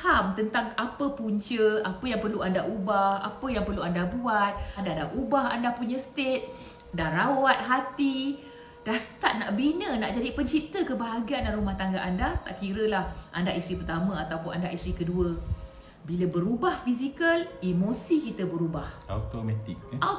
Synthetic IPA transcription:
hamt̪ənt̪aŋapəpuɲt͡ʃəapəjaŋpərluandaʔubaha̰pəjaŋpərluandabuat̪̚andadaʔubaɦandapuɲə̃st̪et̪̚ | daɾawat̪̚ɦat̪i | d̥ahsə̥t̪at̚naʔbinənaʔd͡ʒadipəɲt͡ʃit̪əkəbaɦaɡiandaɾumaht̪aŋɡaʔandat̪a̰ʔkiɾəlahʔandaʔist̪ɾipərt̪amə̃at̪awpʊnʔandaʔist̪ɾikəduə | biləbəɾubahfisikəlimosikit̪əbəɾubaha̰t̪omat̪ɪkːa

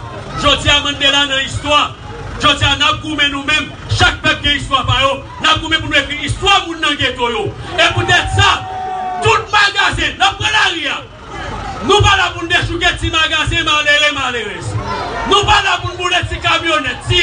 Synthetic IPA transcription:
ʒod͡ziamɐ̃nd̪elanɐ̃ist̪wa | ʒod͡zianap̚ɡumɛ̃nũmɛ̃m | ʃak̚pɛp̚kɛ̃ist̪wapajo | nap̚ɡumɛ̃p̬unwefiist̪wamũnːɐ̃ɡet̪ojoeput̪ɛt̪sat̪ut̪̚maɡazɛ̃nap̚ːʁɛ̃laʁia | nũpalapun̩d̪eʃuɡɛ̃t͡simaɡazɛ̃maleʁɛmaleʁɛsnũpalapunubulɛt͡sikamjonɛt͡si

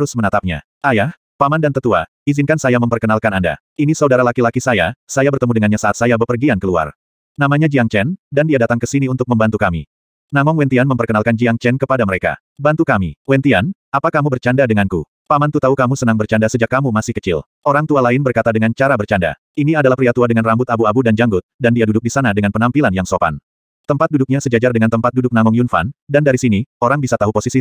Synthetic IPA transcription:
t̪əɾʊsmənat̪ap̚ɲa̰ | ʔajah | pamandant̪ət̪ua̰ | izɪnkansajaməmpərkənalkananda̰ | inisaudaɾalakilakisaja̰sajabərt̪əmudəŋanɲasaʔat̪̚sajabəpərɡiankəlua̰r | namaɲad͡ʒiaŋt͡ʃɛndandiadat̪aŋkəsiniunt̪ʊk̚məmbant̪ukamḭ | namɔŋwɛnt̪ianməmpərkənalkand͡ʒiaŋt͡ʃɛnkəpadaməɾeka̰ | bant̪ukamiwɛnt̪ianapakamubərt͡ʃandadəŋankṵ | pamant̪ut̪aukamusənaŋbərt͡ʃandasəd͡ʒakːamumasɪhkə̥t͡ʃɪ̰l | ʔoɾaŋt̪ualaɪnbərkat̪adəŋant͡ʃaɾabərt͡ʃanda̰ | iniadalahpɾiat̪uadəŋanrambʊt̪abuabudand͡ʒaŋɡʊt̪̚dandiadudʊk̚disanadəŋanpənampilanjaŋsopa̰n | t̪əmpat̪̚dudʊk̚ɲasəd͡ʒad͡ʒardəŋant̪əmpat̪̚dudʊk̚naŋɔŋjunfa̰ndandaɾisinioɾaŋbisat̪aɦuposisi

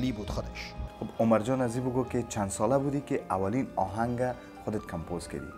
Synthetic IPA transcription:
libud̪xʊd̪eʃxobʊmaɾd͡ʒɔnazibʊɡoket͡ʃand̪sɔlabud̪ikeʔawalinɒɦaŋɡa | xʊd̪et̪̚kʰampozka̰d̪ḭ

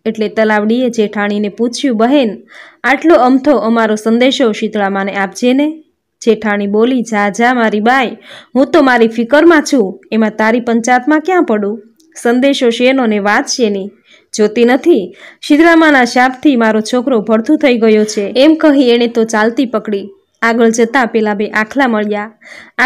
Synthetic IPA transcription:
eʈlet̪əlaʋɽied͡ʒeʈʰaɽ̃ineput͡ʃʰjũbəɦenaʈloəmt̪ʰoʔəmaɾosənd̪eʃoʃit̪ɭamaneapd͡ʒene | d͡ʒeʈʰaɽ̃ibolid͡ʒad͡ʒamaɾibajɦũt̪omaɾifɪkəɾmãt͡ʃʰũemãt̪aɾipəɲt͡ʃat̪mãkjãpəɽũ | sənd̪eʃoʃenoneʋat̪ʃʰeni | d͡ʒot̪inət̪ʰiʃit̪ɭamanaʃapt̪ʰimaɾot͡ʃʰokɾobʱəɾt̪ʰũt̪ʰəiɡəjot͡ʃʰeemkəɦĩeɽ̃et̪ot͡ʃalt̪ipəkɽi | aɡəɭd͡ʒət̪ãpɛlabeʔakʰlaməɭja

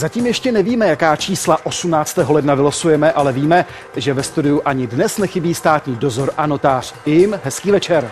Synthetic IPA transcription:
zaciːmjɛʃcɛnɛviːmɛjakaːt͡ʃiːslaʔo̞sumnaːt͡st̪ɛːɦo̞lɛdnavɪlosujɛmɛʔalɛviːmɛ | ʒɛvɛst̪udɪjuʔaɲɪdnɛsnɛxɪbiːst̪aːt̪ɲiːdo̞zo̞ɾʔano̞t̪aːr̝̥ɪɪmɦɛskiːvɛt͡ʃɛɾ

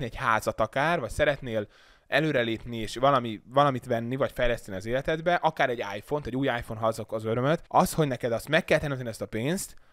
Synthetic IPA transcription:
niɛchaːzɒt̪ɒkaːrvɒcsɛɾɛt̪neːl | ɛløːɾɛleːpnieːʃʋɒlɒmivɒlɒmit̪ʋɛnːivɒcfɛjlɛst̪ɛniɒzeːlɛt̪ɛd̪bɛʔɒkaːɾɛɟːa̰ːjfo̞nt̪ɛɟuːjaːjfo̞nɦɒzokɒzøɾømøt̪ɒsho̞ɟnɛkɛd̪ɒst̪mɛkːɛlt̪ɛnømt̪ɛniɛst̪ɒpeːnst̪

